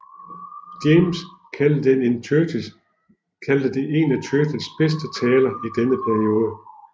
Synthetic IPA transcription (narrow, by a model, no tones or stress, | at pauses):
d̥ems | enø | kʰæld̥əd̥eʔe̝næt͡sʰøɡəlsb̥esd̥ət͡sʰɛːlɐid̥enəpʰæɐio̝ːð̞ˠə